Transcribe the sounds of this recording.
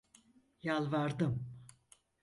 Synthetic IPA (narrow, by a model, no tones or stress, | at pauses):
jalˠvaɾd̪ɯm